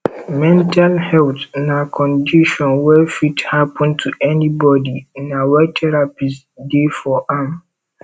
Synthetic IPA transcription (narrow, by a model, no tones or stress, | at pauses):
mɛ̃ntalhɛltnakʰɔ̃ndiʃɔ̃nwɛfithapɔ̃ntʰuʔɛnibɔdinawɛtʰɛɹapist | defɔʔãm